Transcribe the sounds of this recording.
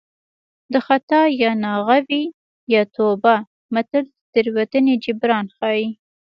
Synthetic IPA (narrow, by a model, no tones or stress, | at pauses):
d̪əxat̪ɑjɑnɑɣawi | jɑt̪oba | mat̪əld̪əd̪̥əɾwat̪əned͡ʒɪbɾɑnxɑji